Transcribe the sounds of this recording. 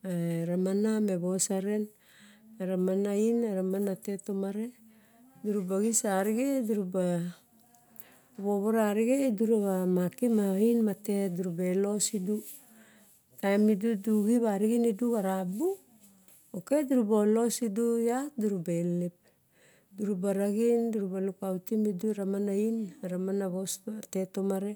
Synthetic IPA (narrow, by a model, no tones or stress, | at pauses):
aɾamanameβosaɾen | aɾamanainaɾamanatetomaɾe | duɾubaɡisaɾiɡeduɾuba | βoβoɾaɾiɡeduɾaβamakimainmateduɾubelo̞sidu | tajmiduduɡiβaɾiɡiniduɡaɾabu | oke̞duɾubolo̞sidujatduɾubelip̚ | duɾubaɾaɡinduɾubalukawtimiduɾamanainaɾamanaβosatetomaɾe